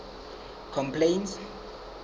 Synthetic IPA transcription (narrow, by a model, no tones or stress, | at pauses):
kʰɔmpʰlejns